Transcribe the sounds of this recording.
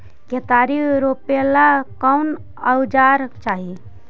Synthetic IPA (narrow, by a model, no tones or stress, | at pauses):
ket̪aɾiɾopelakəwn | əwd͡ʒaɾt͡ʃaːɦi